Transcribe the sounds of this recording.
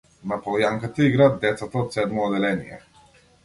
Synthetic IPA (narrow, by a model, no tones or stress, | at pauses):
napɔlˠjaŋkat̪aiɡɾaːt̪̚d̪ɛt̪sat̪aɔt̪sɛd̪mɔːd̪ɛlɛnḭjɛ̰